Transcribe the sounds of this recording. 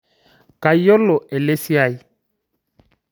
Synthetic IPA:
ka˨i˦ɔ˦lɔ˨ʔɛ˨le˦si˦a˦˨i˨

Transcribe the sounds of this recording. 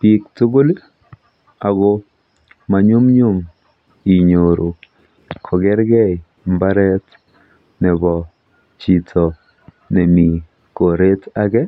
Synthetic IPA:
pi˨k̚tu˦ɡo˦li˦ | a˨ɡo˦ | ma˨ɲu˦mɲʊ˦m | i˨ɲo˨ɾʔo˨ | kʰɔ˨ɡɛ˦ɾɡɛ˦j | mba˦ɾɛ˦t | nɛ˨bɔ˨ | t͡ʃi˨tʰɔ˨ | nɛ˨mi˨ | ko˨ɾe˦ta˦ɡɛ˦

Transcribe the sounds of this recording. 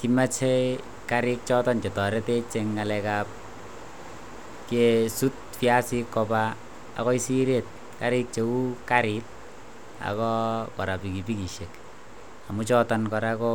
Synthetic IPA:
ki˦ma˦t͡ʃʰe˦ | kaɾi˦k̚t͡ʃɔ˦tɔ˦nt͡ʃe˨tɔ˨ɾe˦te˦t͡ʃe˧ŋːalɛkap̚ | kesu˦t̚ | fja˦si˦kːɔ˧ba | a̰˨kɔ˦i˦si˦ɾe˦˨t̚ | ka˨ɾi˦k̚t͡ʃe˨˦u˦kaɾit̚ | a̰˨kɔ˦kɔ˨ɾa˨pi˨ki˨pi˦ki˨ʃe˨k | a˨mu˦t͡ʃɔ˦tɔnkɔ˨ɾakɔ˦

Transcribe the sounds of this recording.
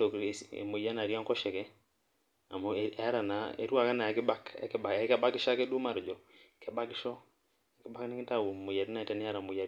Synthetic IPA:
to˨kḛ˨mu˨ja˦na˨ɾja˦ŋkɔ˦ʃɛ˨kɛ˦ | a˨mo˨a˦ɾa˨na˨ḛ˨ɾu˦a˨ka˦na˨a˨kɪ˦ba˦kkɛ˦ba˨ɛ˦kɛ˦ba˦kɪ˦ʃa˦ke˦du˦ma˨ɾd͡ʒɔ˨ | kɛ˨ba˦kɪ˦ʃɔ˦˨ | kɪ˦ba˦knɪ˦kɪ˦ta˦˨wu˨mʊ˨ja˨ɾi˦na˦˨tɛ˦n˦ja˦ɾa˨mʊ˨ja˦

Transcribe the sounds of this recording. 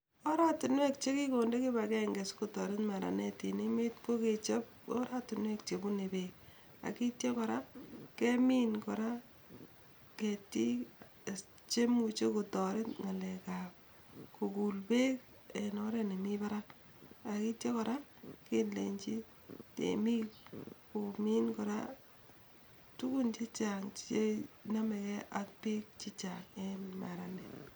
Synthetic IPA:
ɔ˦ɾa˦tʊ˨nwe˦k̚t͡ʃe˦ki˦ko˨nde˦ki˦bakɛ˦ŋɡe˨sku˨tɔ˨ɾɪ˦tma˨ɾa̰˨ne˦ti˨ne˦me˦t̚ko˦ke˨t͡ʃe˦p̚ɔ̰˦ɾa˦tu˨nwekt͡ʃe˨bu˦ne˨bek̚ | a̰˨ki˦tjɔ˦kɔ˨ɾa˦ke˦mi˦nkɔɾa | keti˦ | t͡ʃe˦mu˨t͡ʃo˦ku˨tɔ˨ɾɪ˦tŋa˨lɛka˨p̚ | ko˨ku˨lpe˦k | e˨nɔ˦ɾɛ˨ne˨mi˦pa˦ɾa˦k | aki˦tje˦kɔ˨ɾa˦kinle˨ɲt͡ʃi˦ | tḛ˨mi˦kku˨mi˦nkɔ˨ɾa̰˦ | tu˦ku˦nt͡ʃi˦t͡ʃaŋe˦na˦mɛ˨kɛ˦ʔak̚pi˦k̚t͡ʃi˦t͡ʃaŋe˦ma˨ɾa˨nɛ˨

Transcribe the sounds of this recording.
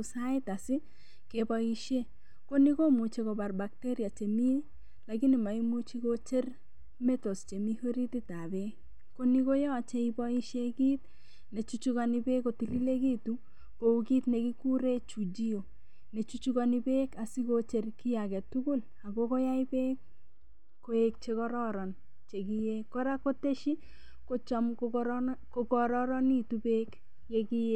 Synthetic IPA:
sa˦ɪ˦ta˨sɪ˦ | kebɔ˦iʃe˦ | ko˦ni˦ko˦mu˨t͡ʃe˨ko˨ba˨rba˨k̚tɛ˦ɾja˨t͡ʃe˨mi˦ | la˨kɪ˦nɪ˨ma˨i˦mu˦t͡ʃi˦kot͡ʃe˦r | mɛ˦to˨st͡ʃe˨mi˦ho˦ɾi˦ti˦ta˨bɛ˦ | ko˦ni˦ko˦jɔ˦a˨t͡ʃɛ˦ibɔ˦i˦ʃe˦ɡi˦t̚ | ne˨t͡ʃut͡ʃu˦ɣanɪ˦be˦ko˨ti˨li˦le˦ɡi˦tu˦ | ko˨uki˦tne˨ki˦ku˦ɾe˦t͡ʃu˨d͡ʒi˦o˨ | ne˨t͡ʃu˦t͡ʃuka˦ni˦beː˦ka˨si˦ko˦t͡ʃe˨rki˦jakɛ˨tu˦ku˦l | a˨ko˦ko˦ja˦ibe˦k̚ | ko˨˦ek̚t͡ʃe˦kɔ˦ɾɔ˦ɾɔ˨n | t͡ʃe˨ki˦je˦kːɔ˦ɾa˦ko˦te˦ʃi˦ | ko˦t͡ʃɔ˨moko˨kɔ˨ɾɔ˦ɾɔ˦ni˦tu˦be˦k | je˦ki˦je˦

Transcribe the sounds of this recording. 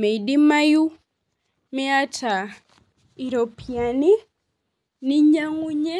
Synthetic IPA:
me˨i˨di˦ma˦ju˦ | mi˦a˦tʰa˨ | i˨ɾo˨pʰi˨a˨ni˦ | ni˦ɲa˦ŋu˦ɲɛ˦

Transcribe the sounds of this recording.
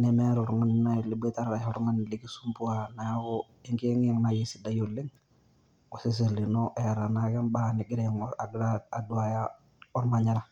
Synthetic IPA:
nɛ˨mɛ˦ɾɔ˨ɾɔ˦ŋa˦n˨na˦jɛ˨li˨˦be˦ta˦ɾɾa˨ɔɾɔ˦ŋa˦n˨li˦ɡi˦su˦mpu˦a˨na˨ja˦ɡɔ˦ | e˦ŋke˦ŋ˦ɛ˦ŋna˨je˦si˨da˦jo˨li˦ŋ | ɔ˨si˦s̬i˨li˨nɔ˦ʔɛ˨ɾa˨na˦ɡɛ˦nba˨nɪ˨ɡɪ˦ɾɛŋa˨ɡɾa˦a˨du˦a˨ja˦ | ɔ˦ɾma˨ɲa˦ɾa˦

